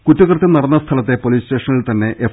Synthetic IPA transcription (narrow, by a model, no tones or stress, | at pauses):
kutːɐɣɐrt̪ːɐnɐrɐnːɐst̪ʰɐlɐt̪ːepoliːste̞ːʂɐnːɐɭilt̪ɐnːe̞ʔe